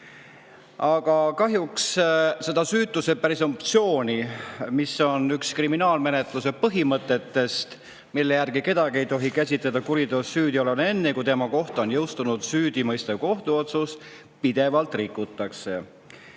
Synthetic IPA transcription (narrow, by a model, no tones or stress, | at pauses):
ɑɡ̥ɑkɑɦjuksse̞d̪ɑsyːt̪ːˑuse̞pæɾiso̞pt̪sio̞ːnʲimiso̞nykskriminɑːlme̞ne̞t̪luse̞pɤɦimɤt̪ːˑe̞t̪ːe̞st̪ | milːe̞jærɡike̞d̪̥ɑɡie̞jt̪o̞ɦikæsʲit̪led̪ɑkuɾid̪osːyːd̪io̞lene̞nːe̞kujt̪e̞mɑko̞ht̪ɑo̞njɤwst̪unud̪syːd̪̥imɤjst̪eko̞ht̪uo̞t̪sus | pid̪̥e̞vɑlt̪ˑrikːˑut̪ˑːɑkse̞̰